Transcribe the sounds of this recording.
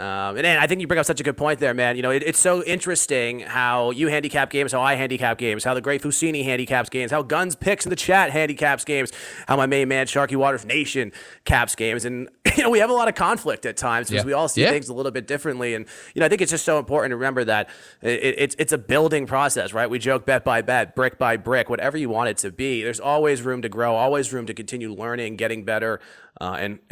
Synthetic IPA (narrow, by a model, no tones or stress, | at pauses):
ʔʌ̃mɨ̃nɨ̃naɪθɪ̃ŋkjɨbɹɪ̃ŋʌpsʌt͡ʃɨɡʊd̚pʰɔ̃ɪ̃n̚ðə˞mæ̃njɨnoʊɨɾɨtsoʊɪ̃nt͡ʃɹ̥ɨstɪ̃ŋhaʊjɨhæ̃ndikʰæp̚ɡ̥ẽɪ̃mz̥haʊaɪɦæ̃ndikʰæp̚ɡ̥ẽɪ̃mz̥haʊðɨɡɹeɪt̚fʉsĩñiɦæ̃ndikʰæpsɡ̥ẽɪ̃mz̥haʊɡʌ̃nz̥pʰɪksn̩ðɨt͡ʃʰæt̚ɦæ̃ndikʰæpsɡ̥ẽɪ̃mz̥haʊmaɪmẽɪ̃nmæ̃nʃɑɹkiwɔɾə˞ʌvneɪʃɨ̃n | kʰæpsɡ̥ẽɪ̃mzɨ̃njjɨnoʊwiɨvəlɔɾʌv̥kʰɑ̃ɱflɪk̚tɨtʰãɪ̃mz̥kʰʌzwiɔlˠsiθɪ̃ŋzəlɪɾl̩ˠbɪt̚d̥ɪfɹɨ̃nʔliɨ̃njɨnoʊɪθɪ̃ŋkɨtsd̥ʒ̥ʌstsoʊə̃mpʰɔɹʔn̩tʰɨɹɨmɛ̃mbə˞ðɨɾ̚ | ʔɪʔɪɾʔɪtsɨtsɨbɪlˠdɪ̃ŋpʰɹ̥ɔsɛsɹaɪt̚wid͡ʒoʊk̚b̥ɛt̚b̥aɪbɛt̚b̥ɹɪk̚b̥aɪbɹɪkwʌɾʔɛvə˞jɨwɑ̃ɾ̃ɨd̚tʰɨbiðə˞zɔlˠwizɹʉ̃mtɨɡɹoʊɔlˠwizɹʉ̃mtɨkɨ̃n̩tʰɪ̃njʉlɜ̃˞nɪ̃ŋɡɛɾɪ̃ŋbɛɾə˞ | ʔʌɨ̰̃n